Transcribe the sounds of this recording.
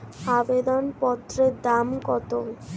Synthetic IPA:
abed̪onpɔt̪ːɾed̪amkɔt̪oŋ

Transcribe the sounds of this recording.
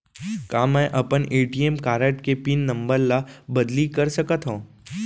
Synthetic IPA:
kaːmɛ̃ːʔɐpəneːʈiemkaːɾəʈkepiːnːɐ̃mbəɾlabɐd̪likɐɾsɐkət̪ɦõː

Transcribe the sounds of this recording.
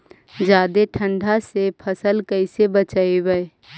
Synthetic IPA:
d͡ʒaːd̪eʈʰə̃ɳɖʱasepʰəsəlkəɪsebət͡ʃaːebəe

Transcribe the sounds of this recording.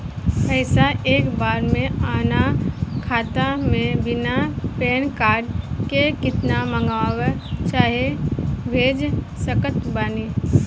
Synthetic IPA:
pəɪsaʔeːkbaːɾmẽaːnakʰaːt̪amẽbɪnapeːnkaːɾɖkekɪt̪namə̃ŋɡawet͡ʃaːɦebʱeːd͡ʒ | səkət̪baːniː

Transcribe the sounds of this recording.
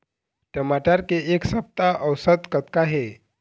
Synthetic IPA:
ʈəmaʈaɾkeʔeksəp̚t̪aʔəwsət̪kət̪kaɦe

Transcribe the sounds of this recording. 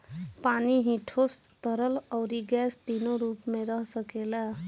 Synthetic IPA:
paniɦĩʈʰost̪ʌɾʌlʌwɾiɡast̪inoɾupmeɾʌɦsʌkela

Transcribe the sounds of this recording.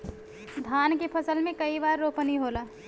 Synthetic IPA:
d̪ʱaːnkepʰəsəlmẽkəibaːɾːoːpəniɦola

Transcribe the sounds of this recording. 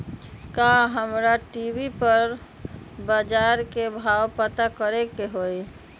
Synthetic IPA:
kaɦəmɾaʈibipəɾ | bəd͡ʒaɾkebʱawpət̪akəɾekeɦoj

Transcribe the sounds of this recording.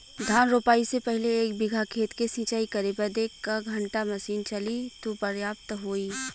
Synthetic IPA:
d̪ʱaːnɾoːpaːisepɛɦleːk̚bɪɡʱakʰeːt̪kesĩːt͡ʃaːikɐɾepɐɾd̪eːkkaɡʱɐ̃ɳʈamɐsiːnt͡ʃɐlit̪opɐɾjaːpt̪ɦoːi

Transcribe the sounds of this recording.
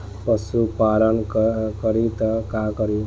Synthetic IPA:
pʌsupalənkʌɾit̪ʌkakʌɾi

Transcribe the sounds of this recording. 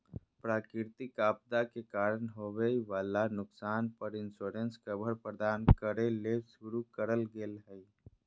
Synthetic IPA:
pɾaːkɾɪɾt̪ikaːp̚d̪akekaːɾənɦoʋeiʋaːlanʊksaːnpəɾɪnsoːɾenskəbʱəɾpɾəd̪aːnkəɾelesʊɾukəɾəlɡeːlɦɛi

